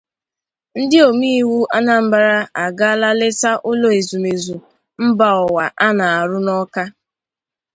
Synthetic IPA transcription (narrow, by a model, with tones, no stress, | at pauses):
n̩˦dɪ˦o˨mi˦i˦wu˦ʔa˦na˨m̩˦ba˦ɾa˦ʔa˨ɡa˦la˦lɪ˦ta˦ʔʊ˦lo˦e˨zu˨me˨zu˨ | m̩˦ba˦ɔ˨wa˨ʔa˦na˨a˨ɾʊ˦nɔ˦ka˦